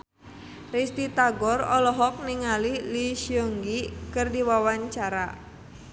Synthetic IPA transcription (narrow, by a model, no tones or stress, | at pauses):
rist̪it̪aɡɔrɔlɔɦɔk̚niŋalihliʃiɔŋɡikɨrdiwawaɲt͡ʃaɾa